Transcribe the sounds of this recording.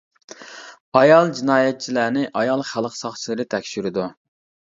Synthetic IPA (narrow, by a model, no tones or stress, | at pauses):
ɑjɑlˠd͡ʒinɑːjɛt̪̚t͡ʃʰilæːnɪʔɑjɑlˠχælˠəqsɑχt͡ʃʰilˠɨɾɨt̪ʰɛkʲʃyɾɪd̪u